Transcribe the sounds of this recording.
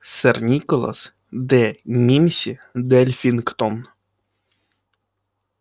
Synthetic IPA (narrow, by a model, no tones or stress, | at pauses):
sɛrnʲikolˠa̰s | d̪ɛmʲimʲsʲid̪ɛlʲfʲinkt̪on